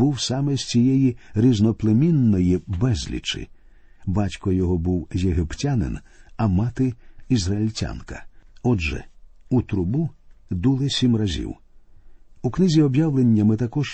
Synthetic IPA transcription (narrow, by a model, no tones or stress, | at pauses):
uwsɑmɛsʲt͡sʲijɛjiɾʲiznɔplˠemʲinːɔjibɛzʲlʲḭt͡ʃɪ̰ | bɑtʲkɔjɔɦɔbuwjeɦɪptʲanɪ̰n | ɐmɑt̪ɪizrɐilʲtʲa̰nkɐ̰ɔd͡ʒɛ̰ut̪ɾʊbud̪ulˠɪsʲimrɐzʲḭw | uknɪzʲiɔbjawlˠenʲːɐmɪt̪ɐkɔʒ̥